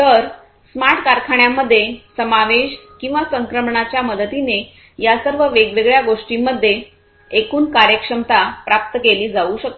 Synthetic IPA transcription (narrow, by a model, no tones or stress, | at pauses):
t̪əɾ | smaɾʈʰkaɾkʰaɳjamːəd̪ʱːjesəmaʋeɕkĩw̃ʋasəŋkɾəmɳat͡ɕjaməd̪ət̪ine | jasəɾʋəʋeɡʋeɡɭjaɡoʂʈimːəd̪ʱːje | ekuːnkaɾjəkʂəmt̪apɾap̚t̪əkeliːd͡zauɕək̚t̪o